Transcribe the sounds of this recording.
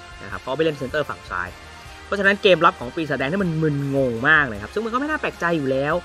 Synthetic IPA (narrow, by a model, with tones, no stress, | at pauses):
na˦˥kʰa˦˥pʰkʰɔː˧˥˧ma˥˩le˥˩nʰ˩se˧˦nt̪ɤː˥˩fa̰˨˩ŋsa̰ː˦˥j | ppʰɔ˦˥t͡ɕʰa˧na˦˥nkeː˧mɾa˦˥p̚kʰɔː˩˦ŋpiː˧sa˧dɛː˧ŋʰi˥˩m˧nmɯ˧nŋo˧ŋmaː˥˩k̚naː˧jkʰa˦˥sɯ˥˩ma˧nkɔ˥˩m˥˩jnaː˥˩plɛː˨˩k̚t͡ɕa˧jːuː˨˩lɛː˦˥w